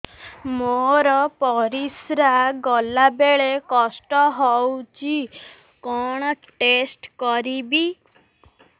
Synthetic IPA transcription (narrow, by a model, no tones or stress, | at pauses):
moɾɔpɔɾisɾaɡɔlabeɭekɔsʈɔɦɔwt͡ʃʰi | kɔɽ̃ɔʈesʈkɔɾibi